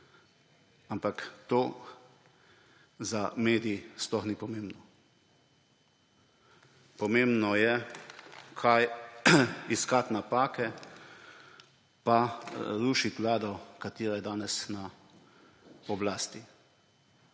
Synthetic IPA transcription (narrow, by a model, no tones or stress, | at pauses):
ampakt̪oː | zameːd̪ijisplɔxniːpɔmeːmbnɔ | pɔmembnɔjɛ | kʰaj | iskat̪napaːkɛ | paɾuːʃit̪ʋlaːd̪ɔkat̪iːɾajɛd̪aːnɛsna | ɔblaːst̪i